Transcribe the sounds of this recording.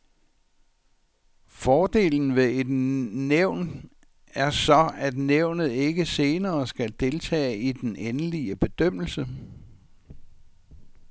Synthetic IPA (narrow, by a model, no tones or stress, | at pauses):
fɒːd̥e̝̰ːln̩ʋe̝e̝d̥neʊ̰n | æɐsɒ̽æd̥neʊ̰nð̞̩ˠe̝ɡ̥əse̝ːnɐːsɡ̥æld̥e̝lt͡sʰɛ̰ːid̥enenəliəb̥e̝d̥øm̰l̩sə